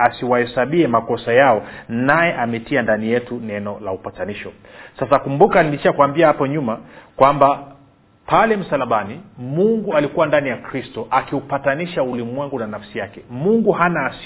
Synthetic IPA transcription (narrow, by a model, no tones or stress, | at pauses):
asiwaɛsaɓiɛmakɔsajaɔnajɛʔamɛtiandanijɛtunɛnɔlaupataniʃɔ | sasakumbukaniliʃakuambiahapɔɲumakwamba | palɛm̩salaɓanimuŋɡualikuwandanijakɾistɔʔakiupataniʃaulimwɛŋɡunanafsijakɛmuŋɡuhanaːs